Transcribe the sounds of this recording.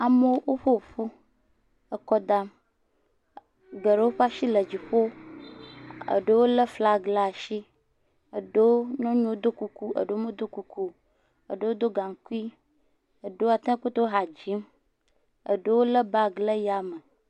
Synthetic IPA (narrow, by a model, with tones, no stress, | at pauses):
a˨mə˦wo˦wʔo˦ɸo˦˨ɸu˦ | ə˨kɔ˦d̪a˦m | ɡə˨ɖə˨˦wo˦ɸa˦ʃi˦lə˨d͡ʑi˨ɸo˦ | ə̰˨ɖə˦wo˦lə˦fla˦ɡla˦˨a˨ʃi˦ | ə˨ɖə˦wo˦nɔ̃˦ɲũ˦o˦d̪o˦ku˨ku˦ə̰˨ɖe˨wo˦mẽ˦d̪o˦ku˨ku˦ | ə̰˨ɖə˨wo˦d̪o˦ɡa˨ŋ˨ku˦i˦ | ə˨ɖə˦wo˦a˨t̪ẽ˦ko˦t̪o˦wo˦ɦa˨d͡ʑi˦m | ə̰˨ɖə˦wo˦lə˦ba˦ɡlə˦ja˨mə˨